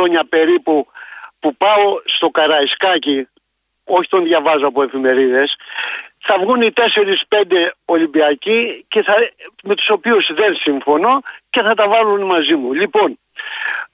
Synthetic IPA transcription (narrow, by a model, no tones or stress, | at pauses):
oɲɐpe̞ɾipupupɐo̞st̪o̞kɐɾɐiskɐci | oçi̥t̪o̞nðʝɐvɐzoɐpoe̞fime̞ɾiðe̞sθɐvɣunit̪e̞se̞ɾispe̞nd̪e̞o̞limbiɐcice̞θɐme̞t̪u̥so̞piuzðe̞nsiɱfo̞no̞ce̞θɐt̪ɐvɐlunmɐzimulipo̞n